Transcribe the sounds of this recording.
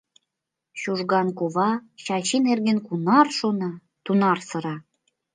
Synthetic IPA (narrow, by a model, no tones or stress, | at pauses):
ɕuʒɣɑnkoβɑɕɑt͡ɕinerɣenkunɑrʃonɑ | t̪unɑrsɤ̆ɾɑ